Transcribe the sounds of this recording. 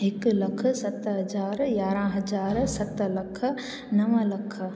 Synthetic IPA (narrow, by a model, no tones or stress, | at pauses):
ɪklɐkʰsɐt̪ɦɐd͡ʒaːɾjaːɾãɦɐd͡ʒaːɾsɐt̪lɐkʰ | nɐʋəlɐkʰ